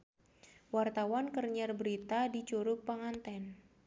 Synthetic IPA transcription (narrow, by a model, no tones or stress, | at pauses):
wart̪awankərɲarbəɾit̪adit͡ʃuɾʊk̚paŋant̪ɛn